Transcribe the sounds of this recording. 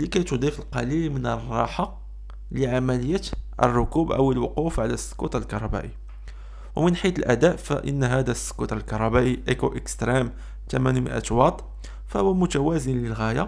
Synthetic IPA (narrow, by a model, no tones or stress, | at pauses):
likæjt̪ud̪ˤifəlqɑlilmənərˤːɑ̰ħa | ləʕamæləjːæt̪ʔə̰rˤːʊkubʔə̰wəlwʊqufʕalæsːkut̪əlkɑɾˤɑbæ̰ʔi | wmənħit̪əlʔæd̪æʔfæ̰ʔə̰nːɦæd̪æsːkut̪əlkɑɾˤɑbæʔiʔekoʔəkst̪ɾim | t̪æmænmə̰ʔæ̰t̪wɑt̪ˤ | fæhʊwæmʊt̪æwæzənləlɣæja